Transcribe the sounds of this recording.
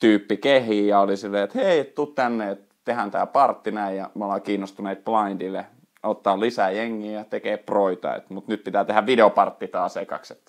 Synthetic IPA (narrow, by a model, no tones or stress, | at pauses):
t̪yːpːikehiɑolisilːeːet̪heiett̪ut̪t̪ænːeet̪ | t̪ehænt̪æːpɑrt̪ːinæijjɑmeolɑkiːnːost̪uneit̪̚plɑindilːe | ot̪ːɑːlisæjeŋːiːjɑt̪ekeːpproit̪ɑ̰ḛt̪mut̪nyt̪̚pit̪æːt̪ehæʋʋideopɑrt̪ːit̪ɑːsekɑ̰kset̪ː